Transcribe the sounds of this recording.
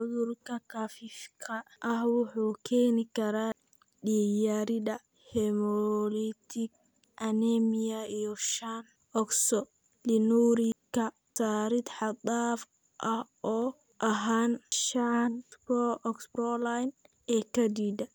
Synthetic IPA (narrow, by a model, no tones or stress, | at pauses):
ʕʊðʊrkʰɐkʰafifkʰɐʔɐhwʊħuːkʰɛːnɪkʰɐɾaː | ɖijaːɾɪd̪ɐ | hɛmɔlit̪ʰɪɡ̚ | ʔɐnɛmɪjɐijɔʃan | ɔksɔ | lɪnuːɾɪkʰɐ | sʰaːɾɪd̪ħɑd̪aːf | ʔɐh | ɔː | ʔɐɦaːnʃanbɔʔɔksbɾɔlajn | ɛːkʰɐd̪iːd̪ɐ